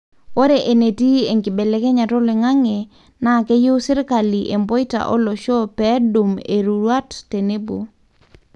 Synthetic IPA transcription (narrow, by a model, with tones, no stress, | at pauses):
wo˦ɾe˨ʔe˨ne˨ti˦e˨ŋkɪ˨be˨le˦ke˦ɲa˨tɔ˦le˨ŋa˦ŋe˨ | na˦˨ke˦ju˦sɪ˦ɾka˨li˨ʔe˨mbo˦i˦ta̰˨ʔɔ̰˦lɔ˨ʃɔ˦pɛ˦du˨me˨ɾu˨ɾwa˦tːe˨ne˦bo˨